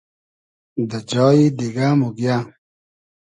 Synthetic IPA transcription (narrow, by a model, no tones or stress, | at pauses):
d̪əd͡ʑɔːid̪iɡaːmuɡjaː